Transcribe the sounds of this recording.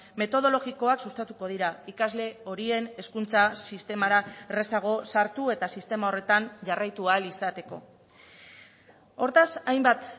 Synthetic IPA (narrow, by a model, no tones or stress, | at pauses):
me̞t̪o̞ð̞o̞lo̞ɣiko̞aksust̪at̪uko̞ð̞iɾaikazle̞o̞ɾie̞ne̞skunt͡sasist̪e̞maɾaere̞saɣ̞o̞saɾt̪ue̞t̪asist̪e̞mao̞re̞t̪anʝarajt̪ualisat̪e̞ko̞̰ | o̞ɾt̪asajmbat̪